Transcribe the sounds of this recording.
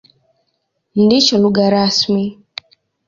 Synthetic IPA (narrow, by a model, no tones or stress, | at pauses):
ndit͡ʃɔluɣaɾasmi